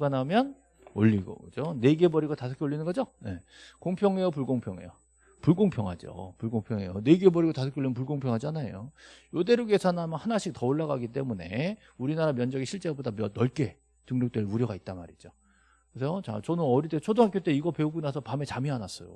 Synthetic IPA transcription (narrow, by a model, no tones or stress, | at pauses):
ɯɡanɦamjʌn | o̰ʎːiɡo̰kɯd͡ʑone̞ɡebʌɾiɡotasʰʌ̥kʰeoɭːinɯnŋɡʌd͡ʑoje̞ | koŋpʰjʌŋe̞jop̬uɭɡoŋpʰjʌŋe̞̰jo | puɭɡoŋpʰjʌŋɦad͡ʑo̰puɭɡoŋpʰjʌŋḛjone̞ɡebʌɾiɡotasʰʌkʰeoɭinnp̬uɭɡoŋpʰjʌŋɦad͡ʑanajojode̞ɾoɡesʰanamjʌnhanaɕʰik̚tʌoɭːaɡaɡit̬͈e̞mune̞ | uɾinaɾamjʌnd͡ʑʌɡiɕʰiɭt͡ɕ͈ebodamʌnʌɭk͈e̞ | tɯŋnok̚t͈weɭuɾjʌɡait̚t͈anma̰ɾid͡ʑo | kɯsʰjot͡ɕa̰t͡ɕʌnɯnʌɾitet͡ɕʰodoɦak͈ʰjit͈eiɡʌpe̞uɡunasʰʌpame̞t͡ɕamianas͈ʌjo̰